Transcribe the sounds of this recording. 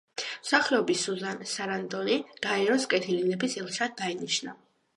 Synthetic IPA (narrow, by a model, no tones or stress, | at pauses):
msaχɛɔbisuzansaɾand̪ɔniɡ̥aɛɾɔskʼɛt̪ʰilinɛbisɛlˠʃad̪̚ːainiʃna̰